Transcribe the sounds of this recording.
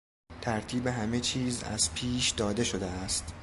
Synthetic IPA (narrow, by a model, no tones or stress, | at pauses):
t̪ʰæɾt̪ʰiːbe̞ɦæme̞t͡ʃʰiːzæ̰z̥pʰiːʃd̪ɒːd̪e̞ʃo̞d̪eæst̪